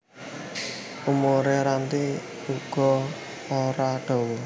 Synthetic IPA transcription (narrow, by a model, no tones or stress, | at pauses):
umoɾeɾant̪i | uɡ̥ɔ̤ | oɾaɖ̥ɔ̤wɔ